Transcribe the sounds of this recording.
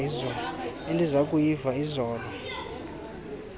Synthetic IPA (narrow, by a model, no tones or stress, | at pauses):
izɔɔendʱizakʼujivaizɔːlɔ